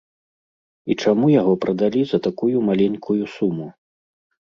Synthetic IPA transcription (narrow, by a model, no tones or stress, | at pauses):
it͡ʂamujaɣɔpɾɐd̪alʲizɐt̪akujumalʲenʲkʰujusumu